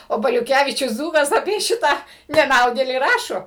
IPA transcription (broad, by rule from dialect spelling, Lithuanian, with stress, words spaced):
oː bɐlʲʊˈkʲæʋʲiːt͡ʃʲʊs ˈd͡zuːkɐs ɐpʲiɛ ˈʃʲɪtɑː nʲɛˈnɐʊdʲeːlʲiː ˈrɑːʃoː